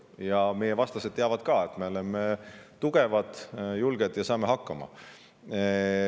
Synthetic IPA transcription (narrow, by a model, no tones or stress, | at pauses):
jɑme̞jevɑst̪ɑsed̪̥̚t̪ːeɑvɑd̪̥kɑːe̞t̪ːme̞o̞lemet̪uɡ̥e̞vɑd̪̥julɡ̥ed̪̥jɑsɑːme̞ɦɑkːɑmɑ̰